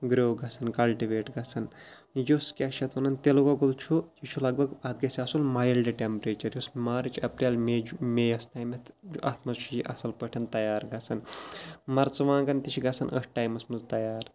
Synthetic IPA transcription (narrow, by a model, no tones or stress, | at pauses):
ɡɾoːɡɐsʰɐnkɐlʈiʋeːʈɡɐsʰɐn | joskʲɐʃɐt̪ʰʋɐnɐnt̪eloɡɐɡolt͡ʃʰujit͡ʃʰulɐɡ̚bʱɐɡɐd̪̚ɡɐsʲiɐsulmaːjɐlɖiʈempɾeːt͡ʃɐɾjosmaːɾit͡ʃʰɐpɾʲaːlmed͡ʒmejɐst̪ɐːjmɐt̪d͡ʒuʔɐt̪ʰmɐzt͡ʃʰujiʔɐsɐlpəʈʰɐnt̪ɐjaːɾɡɐsʰɐnmɐɾt͡sʋãːɡɐnt̪it͡ʃʰiɡɐsʰɐnʔə̰sʈaːjmɐsmɐnzt̪ɐjaːɾ